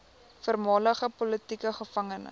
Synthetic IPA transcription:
fərmɑːləχəpɔlətikəχəfɐŋənə̰

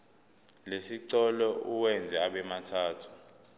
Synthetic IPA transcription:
lesiǀɔlɔuwɛnd͡zʱɛaɓɛmatʰaːtʰu̥

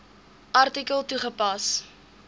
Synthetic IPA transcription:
ʔɐrtikəlˠtuχəpɐs

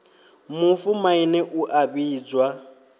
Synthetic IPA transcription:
mʊfumainɛʔuʔabiːd͡zwa

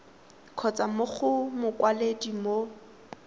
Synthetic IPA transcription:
kʰɔt͡sʼamoχʊmʊkʼwaledimo

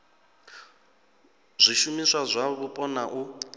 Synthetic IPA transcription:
zʷiʃumiswazʷaβupʼɔnaʔu

